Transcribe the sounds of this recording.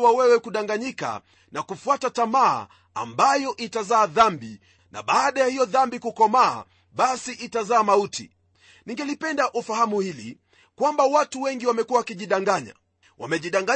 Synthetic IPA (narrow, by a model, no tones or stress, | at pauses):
wawɛwɛkuɗaŋɡaɲika̰ | nakufuatatama̰ː | a̰mbajɔʔitazaːðambi | na̰ɓaːɗajahijɔðambikukɔma̰ː | ɓasiʔitazaːmautʰḭ | niŋɡɛlipɛndaʔufahamuhilḭ | kwambawatuwɛŋɡiwamɛkuwawakiʄiɗaŋɡaɲa̰ | wa̰mɛʄiɗaŋɡa